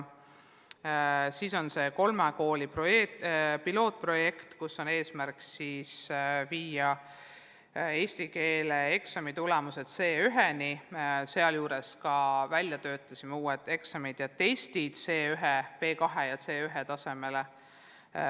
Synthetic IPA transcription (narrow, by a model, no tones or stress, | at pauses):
siːso̞nse̞ko̞lmeko̞ːlʲipro̞jepilo̞ːt̪̚pro̞je̞kt̪kusːo̞ne̞ːsmærksiːsviːɑ | e̞ːsʲt̪ike̞ːlee̞ksɑmit̪ulemuse̞d̪̥se̞ːyɦenise̞ɑljuːɾe̞skɑvælʲjɑt̪ø̞ːt̪ːˑɑsʲimeuːed̪̥e̞ksɑmid̪̥jɑt̪ːe̞st̪id̪̥se̞ːyɦepe̞ːkɑɦejɑt̪se̞ːyɦet̪ɑse̞me̞le